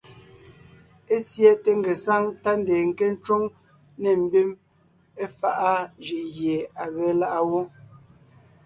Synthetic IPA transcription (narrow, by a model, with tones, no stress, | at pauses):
e˦sje˦te˦ŋ̩˦˨ɡe˨sa˦ŋta˦n˦de˨ŋ̩˨ke˦n̩˦t͡ʃwo˦ŋ | ne˨m̩˦bi˦m | e˦fa˦ʔa˦ʒi˨ʔɣje˨a˨ɣɛ˨˦la˦ʔa˦wo˦